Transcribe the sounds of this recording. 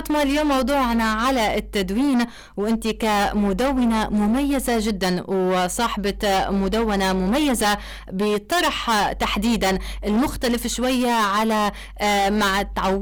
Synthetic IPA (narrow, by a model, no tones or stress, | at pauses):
t̪ˤmɑljoːmːɑwd̪ˤuːʕnaʕalaʔɪt̪ːad̪wiːn | wʔɪnt̪ikamʊd̪awːɪnamʊmajːazaʒɪd̪ːanwsˤɑːħbɑmʊd̪awːanamʊmajːaza | bɪt̪ˤɑɾˤħt̪aħd̪iːd̪anʔɪlmʊxt̪alafʃwajːaʕala | maʕt̪ʕa